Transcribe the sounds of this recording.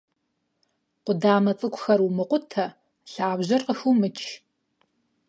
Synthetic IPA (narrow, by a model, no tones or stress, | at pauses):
qʷʊdaːmɐt͡sʼɨkʷʊxɐrwʊmɨqʷʊtʰɐ | ɬaːbʑɐrqəxumɨt͡ʃʰʼ